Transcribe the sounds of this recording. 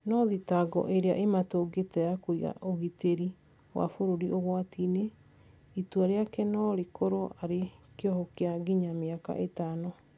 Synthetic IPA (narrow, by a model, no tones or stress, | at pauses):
nɔðitaɡɔ̰ʔeɾea̰ʔematoɡetɛjakoiɣa̰ʔoɣiteɾi | wa̰foɾoɾiʔoɣwatine | itwaɾeakɛnɔɾekʰoɾoʔaɾekeɔɦɔkeaɡiɲameaka̰ʔetano